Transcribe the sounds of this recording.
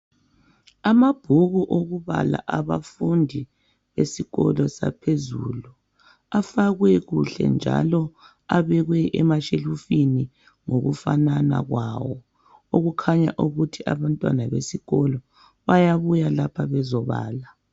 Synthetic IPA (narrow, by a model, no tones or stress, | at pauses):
amab̥ʱuɣuʔoɣuβa̰la̰ʔaβafundʱi | βesiɣɔ̰lɔsa̰pʰezṵːlu | afaɣwɛɣuɬɛ̰nd͡ʒʱa̰lɔ | aβɛɣwɛʔɛmaʃelufini | ŋoɣṵfanana̰ɣwawɔ | oɣukʰaɲa̰ʔuɣutʰiʔaβantʼwanaβesiɣɔlɔ | βajaβujalapʰaβɛzɔβa̰ːla